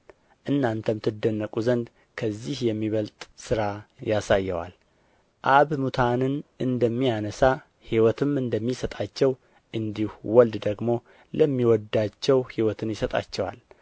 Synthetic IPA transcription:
ʔɨnːant̪ʰəmɨt̪ʰɨd̪ːənːəkʼuzənd̪ | kʰəzːihjɛmːiβəlt̪ʼsɨɾajasajːɛwa̰l | ʔaβmut̪ʰanɨnʔɨnd̪əmːijanəsa | hiwɔt̪ʰɨmɨnd̪əmːisət̪ʼat͡ʃːɛw | ʔɨnd̪ihuwɔld̪d̪əɡmo̞ | ləmːiwɔd̪ːat͡ʃːɛwhiwɔt̪ʰɨnjɪsət̪ʼa̰t͡ʃːɛwa̰l

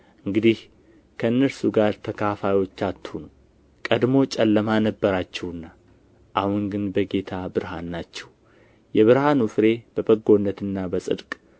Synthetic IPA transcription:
ʔɨŋɡɨd̪ih | kʰəɨnːəɾsuɡaɾt̪ʰəkʰafajwo̞t͡ʃːat̪ʰːunəw | kʼəd̪mo̞t͡ʃʼɛlːəmanəbːəɾat͡ʃːɛwɨnːa | ʔahunɡɨnbəɡe̞t̪ʰabɨɾha̰nːat͡ʃːɛw | jɛβɨɾhanufɾe̞b̥əbəɡo̞nːət̪ɨnːabəsʼɨ̰d̪kʼ

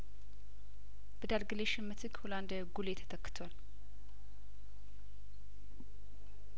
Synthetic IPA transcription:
b̥əd̪alɡɨleʃɪmːət̪ʰɨɡholand̪aɡulet̪ʰə̥t̪ʰəkːɨ̥t̪ʰwal

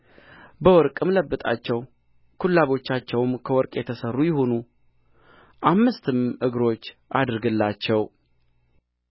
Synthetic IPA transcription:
bəwɔɾkʼɨmləbːɨt̪ʼa̰t͡ʃːɛw | kʰulːaβo̞t͡ʃːat͡ʃːɛwmkʰəwɔɾkʼjɛt̪ʰəsərːujɪho̞nu | ʔamːɨst̪ɨmʔɨɡɾo̞t͡ʃːʔad̪ɾɨɡɨlːat͡ʃːɛw

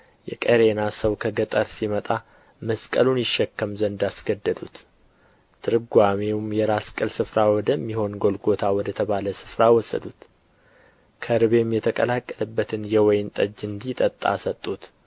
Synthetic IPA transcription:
jɛ̰kʼəɾe̞nasəwkʰəɡət̪ʼəɾsimət̪ʼa | məskʼəlunjɪʃːɛkːəmzənd̪asɡ̥əd̪ːəd̪ut̪ | t̪ʰɨɾɨɡʷamewumjɛɾaskʼɨlsɨfɾawɔd̪əmːiho̞nɡo̞lɡo̞t̪ʰawɔd̪ət̪ʰəβaləsɨfɾawɔsːə̰d̪ut̪ | kʰəɾɨβe̞mjɛt̪ʰəkʼəlakʼːələbːət̪ʰɨnjɛwɔjnt̪ʼəd͡ʒːɨnd̪it̪ʼət̪ʼːa̰sət̪ʼːut̪

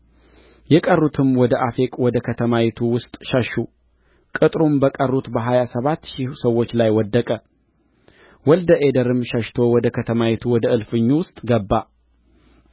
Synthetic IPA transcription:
jɛkʼərːut̪ʰɨmwɔd̪əʔafekʼwɔd̪əkʰət̪ʰəmawɛt̪ʰuwʊst̪ʼʃəʃːu | kʼɨt̪ʼɾumbəkʼərːut̪bəɦajasəβat̪ːʃisəwːot͡ʃːlajwɔd̪ːəkʼə | wɔld̪əʔed̪əɾɨmʃəʃt̪ʰo̞wɔd̪əkʰət̪ʰəmawɛt̪ʰuwɔd̪əɨlfɨɲːuwʊst̪ʼɡəbːa

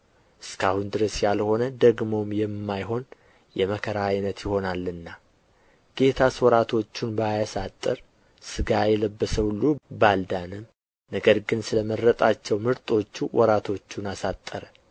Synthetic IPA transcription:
ʔɨskʰahund̪ɨɾəsjalho̞nəd̪əɡmo̞mjɛmːajɦo̞n | jɛməkʰəɾajnət̪jɪho̞nalːɨnːa | ɡ̥e̞t̪ʰaswɔɾat̪ʰo̞t͡ʃːunbajasat̪ʼːəɾ | sɨɡajɛləbːəsəwulːubald̪anɨm | nəɡəɾɡɨnsɨləməɾət̪ʼat͡ʃːɛwmɨɾt̪ʼo̞t͡ʃːuwʔɔɾat̪ʰo̞t͡ʃːunasat̪ʼːəɾə

